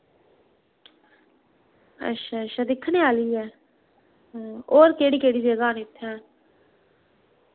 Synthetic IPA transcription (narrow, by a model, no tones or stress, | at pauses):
ə̰tːʃʰaːəʃʰaːd̪ɪkʰːnẽːaːliːɛː | oːɾkeːɽiːkeːɽiːbeːɡaːnɪt̪ʰːɛ̃ː